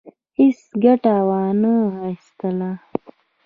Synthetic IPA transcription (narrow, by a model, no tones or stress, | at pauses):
isɡɐʈaːwaːnəast̪ɐla